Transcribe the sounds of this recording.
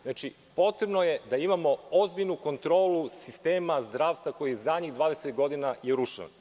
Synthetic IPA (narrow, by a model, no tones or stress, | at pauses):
znat͡ʃi | po̞t̪ɾe̞bnojed̪aimamo̞ozbiʎnuko̞nt̪ɾo̞ːlusist̪eːmazd̪ɾaːʋst̪ʋako̞jizadɲid̪vʋaːd̪eset̪ɡo̞d̪inajeɾuʃa̰n